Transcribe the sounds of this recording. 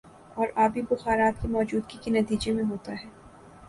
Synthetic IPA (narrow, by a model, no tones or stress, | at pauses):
ɔːɾaːbʱibʊxaːɾaːt̪kemɔːd͡ʒuːd̪kikenɐt̪iːd͡ʒemẽɦoːt̪aɦɛː